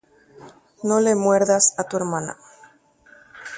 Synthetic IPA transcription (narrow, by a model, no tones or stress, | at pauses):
no̞lemwe̞ɾðasat̪ue̞ɾmana̰